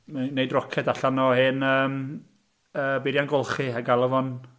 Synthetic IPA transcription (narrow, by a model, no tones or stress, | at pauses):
manːejdrɔkʰɛdaɬanɔhɨnəːm | əːbɪɾjanɡɔlˠχɨaɡalˠəvɔn